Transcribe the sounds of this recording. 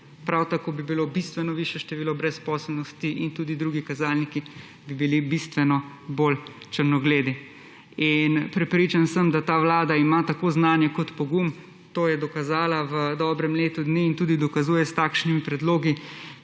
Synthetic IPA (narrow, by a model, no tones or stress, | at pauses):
pɾawt̪akoːbibilobist̪ʋɛnɔʋiːʃjɛʃt̪ɛʋiːlɔbɾɛspɔːsəlnɔst̪iʔint̪uːd̪id̪ɾuːɡikazaːlniki | bibilibist̪ʋɛnɔ | bol | t͡ʃəɾnɔɡleːd̪i | inpɾɛpɾiːt͡ʃansəmd̪at̪aːʋlaːd̪aimat̪akoːznaːnjɛkɔt̪pɔɡum | t̪oːjɛd̪ɔkazaːlaʋəd̪ɔbɾɛmleːt̪ud̪niːnt̪uːd̪id̪ɔkazuːjɛst̪aːkʃnimipɾɛd̪loːɡi